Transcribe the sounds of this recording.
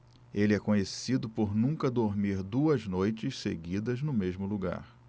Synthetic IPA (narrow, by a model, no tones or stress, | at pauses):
elɪɛkõɲesid̪ʊpoɾnũŋkɐd̪oɾmiɾd̪uɐznojt͡ʃɪssḛɡid̪ɐznʊmeʒmʊluɡa̰ɾ